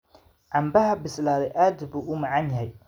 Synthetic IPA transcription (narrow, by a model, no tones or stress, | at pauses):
ʕɑmbɐɦɐbɪslaːðɛʔaːd̪buːʔʊmɑʕɑnjɐɦɛj